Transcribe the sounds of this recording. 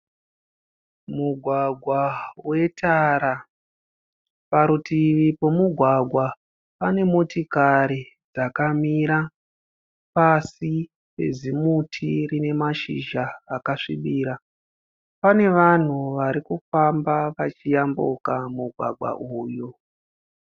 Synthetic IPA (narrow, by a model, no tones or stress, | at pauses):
muɡʱwaɡʱwawe̞taɾa | paɾutiipo̞muɡʱwaɡʱwa | pane̞motikaɾi | d͡zakamiɾa | pasi | pe̞̰zimutʰirine̞maʃḭʒaːkaʂḭɓiːɾa | pane̞ʋan̤uʋaɾikufambaʋat͡ʃijambukamuɡʱwa̰ɡʱwa̰ʔuːjo